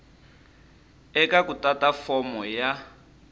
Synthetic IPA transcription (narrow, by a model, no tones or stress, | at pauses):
ɛkakutʼatafɔmɔja